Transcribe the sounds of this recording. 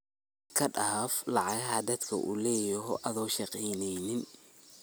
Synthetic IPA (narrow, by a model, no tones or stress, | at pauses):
kʰɐɗaːflɑʕɑɣɐɦɐd̪ɐd̪kʰɐ̰ʔṵːlɛːjɔɦʔɐðɔːʃɑqɛjnɛjnɪn